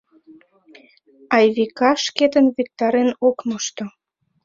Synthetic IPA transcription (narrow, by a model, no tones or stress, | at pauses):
ɑjβikɑʃket̪ənβik̚t̪ɑɾenokmoʃt̪o